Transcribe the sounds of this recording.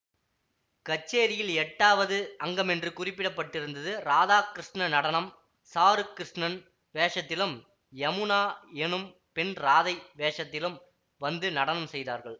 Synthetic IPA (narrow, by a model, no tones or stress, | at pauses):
kɐt͡ʃːeːɾɪjɪlɛʈːaːʋɐðɯɐŋɡɐmɛndrɯkʊrɪpːɪɽɐpːɐʈːɪɾɯnd̪ɐðɯɾaːðaːkɾɪʂɳɐnɐɽɐnɐm | saːɾɯkɾɪʂɳɐn | ʋeːʂɐt̪ːɪlɯm | ɐmɯnaːɛnɯm | pɪnɾaːðɐɪʋeːʂɐt̪ːɪlɯm | ʋɐnd̪ɯnɐɽɐnɐmsɛjðaːɾɣɐɭ